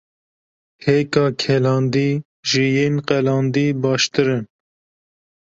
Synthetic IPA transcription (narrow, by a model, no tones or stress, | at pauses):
hekɑːkʰɛlɑːnd̪iː | ʒijenqɛlɑːnd̪iːbɑːʃt̪ɨɾɨn